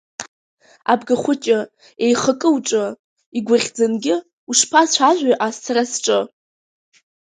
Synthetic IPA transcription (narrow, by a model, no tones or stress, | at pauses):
a̰bɡaχʷʊt͡ʃʼɪ | ejχəkʼɨwʈ͡ʂʼɨ | iɡʷaʁʲd͡zɨnɡʲɪ | uʂpʰast͡ɕʷʰaʒᶣʷaʔast͡sʰarasʈ͡ʂʼɨ